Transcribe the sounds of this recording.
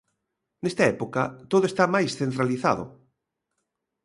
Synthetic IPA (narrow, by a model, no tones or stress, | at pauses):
nest̪aɛpokat̪oðoest̪amajsθent̪ɾaliθaðʊ̰